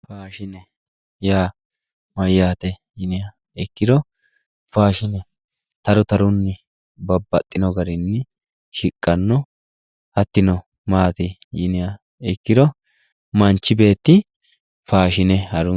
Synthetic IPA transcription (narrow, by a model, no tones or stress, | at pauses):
faːʃɪnɛ | jaː | mɐjːaːt̪ɛjɪnɪjɐ | ɛkːɪd̪ɔ | faːʃɪnɛ | t̪ɐɾʊt̪ɐɾʊnːɪ | bɐbːɐt̪ʼːɪnɔɡɐɾɪnːɪ | ʃɪkʼːɐnːɔ | ɐt̪ːɪnɔ | maːt̪ɪjɪnɪjɐ | ɛkːɪd̪ɔ | mɐnt͡ʃːɪbe̞ːt̪ːɪ | faːʃɪnɛhɐɾʊ